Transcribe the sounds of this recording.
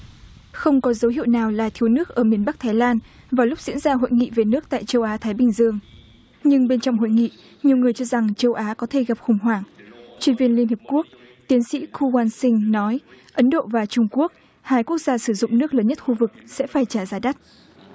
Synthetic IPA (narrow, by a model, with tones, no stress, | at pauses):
xə˧wŋ͡mkɔ˨˦zə˨˦whḭ˧˨wnaː˨˩wlaː˨˩t̪ʰi˨˦wnɨ˦˥ək̚ʔəː˧˩mi˨˩ənɓa˦˥k̚t̪ʰaː˨˦jlaː˧n | vaː˨˩lʊ˦˥k͡p̚z̥ḭ˧˥nzaː˧ɦo̰˧˨jŋḭ˧˨ve˨˩nɨ˦˥ək̚t̪a̰ː˧˨jt͡ɕə˧wʔaː˨˦t̪ʰaː˨˦jɓï˨˩ŋ̟zɨ˧əŋ | ɲɨ˧ŋɓe˧nt͡ɕɔ̰˧˨wŋ͡mho̰˧˨jŋḭ˧˨ | ɲi˨˩əwŋɨ˨˩əjt͡ɕɔ˧za˨˩ŋt͡ɕə˧wʔaː˨˦kɔ˨˦t̪ʰe˧˩ɣa˨˩p̚xʊ˨˩ŋ͡mɦwaː˧˩ŋt͡ɕwi˧˩ənvi˧ənli˧ənhi˨˩p̚ku˦˥ək̚ | t̪i˨˦ənsḭ˧˥kʰu˧waː˧nsï˧ŋ̟nɔ˨˦jʔə˨˦nɗo̰˧˨vaː˨˩t͡ɕʊ˧ŋ͡mku˦˥ək̚ | haː˧jku˦˥ək̚z̥aː˧sɨ˧˩zʊ̰˧˨ŋ͡mnɨ˦˥ək̚ləː˨˦nɲə˦˥t̚xu˧vɨ˨˩k̚sɛ̰˧˥faː˧˩jt͡ɕaː˧˩zaː˨˦ɗa˦˥t̚